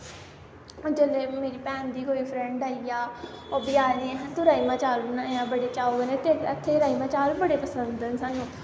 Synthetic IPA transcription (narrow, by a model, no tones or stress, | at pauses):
d͡ʒəleːmeːɾiːpɛ̃ːnd̪iːkoːiːpʰɾɛ̃ɳɖaːijaːobɪjaːniẽɦt̪õɾaːiːmãːt͡ʃaːlunajãːbəɽeːt͡ʃaːoənẽt̪eət̪ʰːeːɾaːiːmãːt͡ʃaːlbəɽeːpəsənd̪ənsaːnũː